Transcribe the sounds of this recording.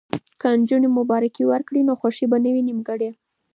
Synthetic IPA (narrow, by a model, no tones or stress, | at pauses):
kand͡ʒunemʊbɑɾakiwəɾkɽinoxwaʂibanəwinimɡəɽe